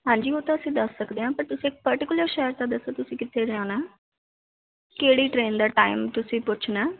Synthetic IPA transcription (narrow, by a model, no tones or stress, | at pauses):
ɦãːɲd͡ʒiːoːt̪ãːəsĩːd̪əsːəkd̪eːɦãːpəɾt̪ʊsĩek̚pəɾʈɪkʊləɾʃɛːəɾt̪ãːd̪əsːoːt̪ʊsĩːkɪt̪ʰːeːɾãːnaː | keːɽiːʈɾeːnd̪aːʈaːɪmt̪ʊsĩːpʊːt͡ʃʰnaː